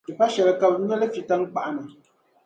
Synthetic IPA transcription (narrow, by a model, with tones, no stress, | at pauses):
i˨pa˦ʃɛ˨lɛ˨ka˦˨p̚ɲ˦ɛ˦lɛ˦fi˦ta˦ŋ˦k͡pa˨ʔnə˨